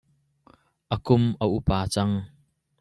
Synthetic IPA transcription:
ʔəkʊməʔupaːt͡sɐŋ

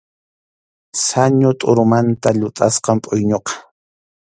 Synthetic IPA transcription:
saɲot̪ʼʊɾʊmant̪aʎʊt̪ʼasqɑmpʼʊjɲoqɑ̥

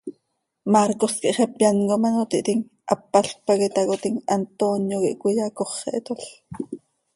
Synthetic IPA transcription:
maɾkoskiʔχɛpjankomanot̪iʔt̪iŋ | ʔapːaɬpɑkit̪ɑkot̪iŋant̪onjokiʔkujakoχːḛʔet̪oɬ

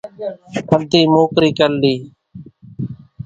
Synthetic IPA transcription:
pʰənd̪iːmoːkɾiːkəlliː

